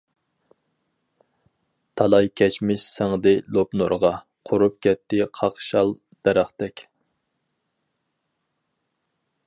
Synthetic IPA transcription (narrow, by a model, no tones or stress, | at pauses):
t̪ʰɑlˠɑjkʲʰɛt͡ʃmɪʃsæŋd̪ɪlˠopnoɾʁɑqʰʊɾup̚kʲʰɛt̪ːɪqʰɑqʃɑlˠ | d̪̥ɛɾæχt̪ɛkʲ